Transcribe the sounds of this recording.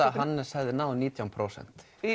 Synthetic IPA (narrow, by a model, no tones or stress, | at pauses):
aɦanːɪ̥sɛɣðɪnaːwniːt̪ʰjawmpʰɾowsɛ̰n̥t̪